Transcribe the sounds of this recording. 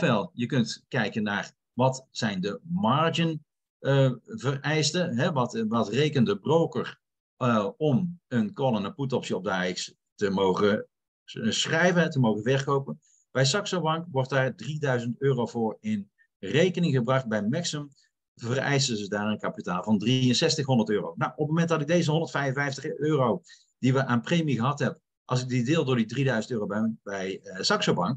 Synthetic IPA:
fɛlˠjəkɵntkɛjkənːaːr | ʋɑtsɛjndəmaːɹd͡ʒən | vərɛjstəɦɛʋɑtʋɑtrejkəndəbrowkər | ɔmənkɔlˠənəputɔpsjəɔp̚daːɪks | təmowχə | sχrɛjvəntəmowχənvɛɹkowpən | b̥ɛjsɑksobɑŋkʋɔɹt̚daːɹdridœɥzəntøːrowvʊːɹɪn | rejkənɪŋχəbrɑχt̚bɛjmɛksəm | vərɛ̰jsəzədaːɹənkapitaːlˠvɑndriənsɛstəxɦɔndərtøːrownawɔp̚momɛnt̚dɑtɪk̚dejzəɦɔndəɹtfɛjvənvɛjftəχøːrow | d̥iʋəʔaːnprejmiɣəɦɑtɦɛbə | ʔɑlˠsɪk̚didɪːlˠdʊːɹdidridœɥzəntøːrowbɛbɛjsɑksowbɑŋk

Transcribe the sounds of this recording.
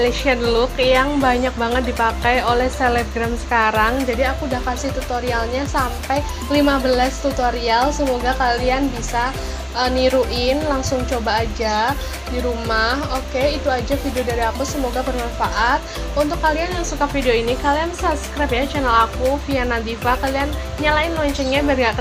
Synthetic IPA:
liʃiənlʊkjaŋbaɲak̚baŋət̪̚dipakajolɛht̪elɛɡɾamsə̥kaɾaŋd͡ʒadiakudahkasɪht̪ut̪oɾialɲasampaj | limabəlast̪ut̪oɾialsəmoɡakalianbisa | ʔəniɾuʔɪnlaŋsʊŋt͡ʃobaːd͡ʒa | diɾumahokeit̪uad͡ʒafidiodaɾiakusəmoɡabərnanfaʔat̪̚ | unt̪ʊkːalianjaŋsukafidioinikaliansabskɾapjat͡ʃɛnɛlakufianad̪ifakalian | ɲalaɪnlɔɲt͡ʃɛnɲabaŋɡak

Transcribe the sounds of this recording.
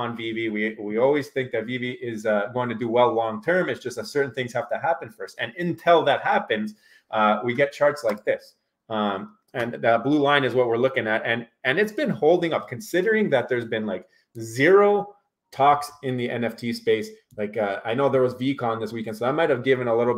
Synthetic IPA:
ə̃nviviwiwiɔlˠwiz̥θɪ̃ŋk̚ðɨt̚viviʔɪzʌɡoʊɪ̃ŋtʰɨdɨwɛlˠlɔ̃ŋtʰɜ̃˞mɨtsd̥ʒ̥ʌstəsɜ˞ʔn̩θɪ̃ŋz̥hæftɨhæpɨ̃nfə˞ʌstɨ̃nɨ̃ntʰɪlˠðɨt̚hæpɨ̃nz̥ | ʔʌwiɡɛt̚t͡ʃʰɑɹtslaɪk̚ðɪs | ʌ̃m | ɨ̃nɨblulãɪ̃ñɨzwʌt̚wɪɹlʊkɪ̃ŋɨɾɨ̃n | ɨ̃nɨtsb̥ɨ̃nhoʊlˠdɪ̃ŋʌp̚kʰɨ̃nsɪɾə˞ɪ̃ŋðɨt̪̚ðə˞zbɨ̃nlaɪk | zɪɹoʊ | tʰɔksɨ̃nðiʔɛ̃nɛftʰispeɪs | laɪkʌaɪnoʊðə˞wʌzvikʰɑ̃nðɪswikɨ̃nsoʊðaɪmaɪt̚ɨvɡɪvɨ̃nəlɪɾl̩ˠ

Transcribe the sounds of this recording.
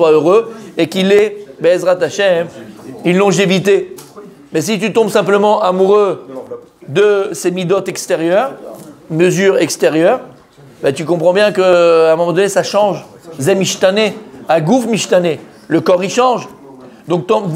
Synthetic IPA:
swaøʁøekilɛbɛsʁat̪aʃɛmilːɔ̃ʒevit̪e | mɛs̬it̪̬yt̪ɔ̃bsɛ̃pləmɑ̃ʔamuʁø | d̪əsemid̪ɔt̪ɛkst̪eʁjœːʁməzyʁɛkst̪eʁjœʁ | bat̪ykɔ̃pχɑ̃bjɛ̃kəɛ̃mɔmɑ̃d̪ɔnesaʃɑ̃ʒ | zɛmiʃt̪aneaɡufmiʃt̪ane | ləkɔʁiʃɑ̃ʒ | d̪ɔ̃k̚t̪ɔ̃

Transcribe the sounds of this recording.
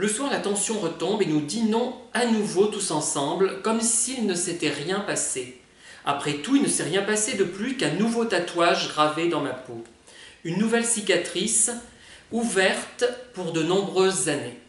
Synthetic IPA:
ləswaʁlat̪ɑ̃sjɔ̃ʁət̪ɔ̃benud̪inɔ̃anuvot̪usɑ̃sɑ̃blkɔmsilnəset̪ɛʁjɛ̃pase | a̰pχɛt̪uilnəsɛʁjɛ̃pased̪əplykɛ̃nuvot̪at̪waʒɡʁaved̪ɑ̃mapo | ynːuvɛlsikat̪χis | uvɛʁt̪puʁd̪ənɔ̃bʁøzːane

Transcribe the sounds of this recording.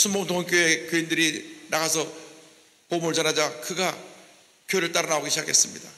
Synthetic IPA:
sʰunmoŋtoŋk͈joe̞kjɯindɯɾinaɣasʰʌ | poɯmɯɭt͡ɕʌnɦad͡ʑakɯɡa | kjoɾɯɭt͈aɾʌnaoɡiɕʰd͡ʑakʰe̞s͈ɯmɲida

